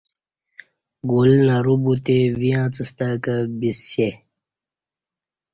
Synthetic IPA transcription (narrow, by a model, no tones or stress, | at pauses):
ɡolnaɾubut̪evijãːt͡səst̪akəbise